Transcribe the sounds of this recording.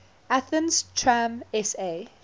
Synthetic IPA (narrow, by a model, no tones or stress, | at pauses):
aθə̃nstʰɹãmɛse